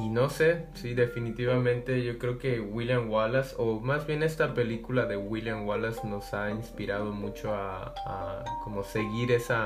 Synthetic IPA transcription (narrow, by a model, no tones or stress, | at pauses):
ino̞se̞siðe̞finit̪iβamẽ̞nt̪e̞ʝo̞kɾeoke̞wiljamwalasomazβje̞ne̞st̪ape̞likulaðe̞wiljaŋwalasno̞sainspiɾað̞o̞mut͡ʃo̞a̰ː | komo̞se̞ɣiɾesa